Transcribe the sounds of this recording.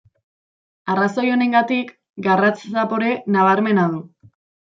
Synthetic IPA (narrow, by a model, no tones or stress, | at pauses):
araso̞jo̞ne̞ŋɡat̪ik | ɡarat͡ssapo̞ɾe̞naβ̞aɾme̞naðu